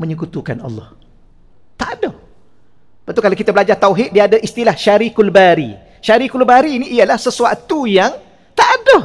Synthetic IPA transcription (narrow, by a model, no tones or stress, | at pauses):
mə̃ɲəkut̪uka̰nɑ̰lːɑ̰h | t̪aʔdo | pat̪ukalakit̪abəlad͡ʒart̪awɦɪt̪̚diaadaʔist̪ilahʃaɾikulbaɾḭ | ʃaɾikulbaɾiːniʔːalahsəsuat̪ujaŋ | t̪aʔdo